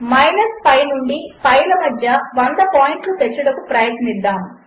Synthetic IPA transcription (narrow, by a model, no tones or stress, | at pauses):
mɐjnɐspɐjnuɳɖipɐjlɐmɐd̪ʱjɐʋɐnd̪ɐpaːjiɳʈlut̪et͡ʃːuɽɐkupɾɐjɐt̪nid̪ːaːmu